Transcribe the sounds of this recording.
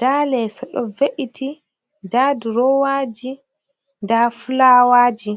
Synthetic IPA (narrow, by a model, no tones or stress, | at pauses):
d̥aːlɛsɔɗɔveʔitʰi | daːduɾɔwaːd͡ʒi | ndafulawaːd͡ʒi